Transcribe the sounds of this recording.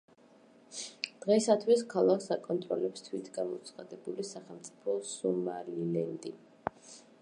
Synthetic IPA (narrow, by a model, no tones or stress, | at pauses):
d̪̥ʁɛsat̪ʰwiskʰalˠakʰsakʼɔnt̪ʼɾɔlɛpst̪ʰwit̪ʰɡamɔ̰t̪sʰχad̪ɛbulisaχɛlˠmt̪sʼi̥pʰɔsumalilɛnd̪ʼi